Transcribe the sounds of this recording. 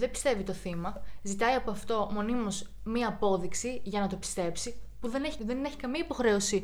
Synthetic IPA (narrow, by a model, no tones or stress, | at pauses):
ðe̞bi̥st̪e̞vit̪o̞θimɐzit̪ɐiɐpoɐft̪o̞mo̞nimo̞z | miɐːpo̞ðiksiʝɐnɐt̪o̞pi̥st̪e̞psipuðe̞neçiðe̞ne̞çi̥kɐmiɐipo̞xɾe̞o̞si